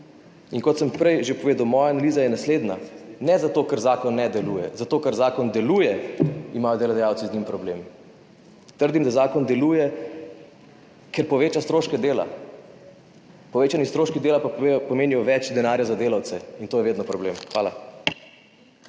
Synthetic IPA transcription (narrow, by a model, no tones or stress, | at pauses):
inkɔt̪səmpɾɛjʒepɔʋeːd̪awmɔːjaːnalizajɛnasleːd̪nanɛzat̪oːkəɾzaːkɔnːɛd̪ɛlujɛ̰zat̪oːkəɾzaːkɔnd̪ɛluːjɛimaːjɔd̪elɔd̪ɛjaːwt̪sizɲimpɾɔbleːmi | t̪əɾd̪imd̪azaːkɔnd̪ɛlujɛ | kɛɾpɔʋeːt͡ʃast̪ɾoːʃkɛd̪eːla̰ | pɔʋeːt͡ʃanist̪ɾoʃkid̪eːlapapɔmeːnijɔʋɛt͡ʃd̪ɛnaːɾjazad̪eːlawt̪sɛint̪oːjɛʋeːd̪nɔpɾɔblemxʋaːla̰